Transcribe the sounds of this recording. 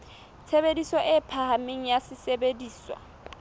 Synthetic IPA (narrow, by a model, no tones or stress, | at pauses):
t͡sʰebedisɔʔɪpʰahameŋ̩jasɪsebediːswa̰